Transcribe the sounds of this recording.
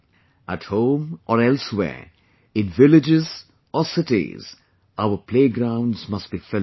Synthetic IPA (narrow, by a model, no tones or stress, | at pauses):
əthõːmʔɔɾɛlswɛ̰ː | ɪ̃nvɪlɪd͡ʒɪz | ɔsɪtḭz̥ | aʊəpʰleːɡɾãʊ̃ndzmʌstb̥ifɪ